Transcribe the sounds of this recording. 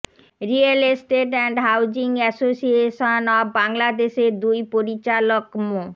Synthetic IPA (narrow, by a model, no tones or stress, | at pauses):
ɾialesʈeʈɛɳɖɦawd͡ʑiŋɛsosieʃonɔbbaŋlad̪eʃeɾd̪ujpoɾit͡ɕalokmo